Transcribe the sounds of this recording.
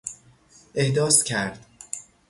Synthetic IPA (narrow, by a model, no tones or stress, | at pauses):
ʔehd̪ɒːscʲʰæɾd̪̥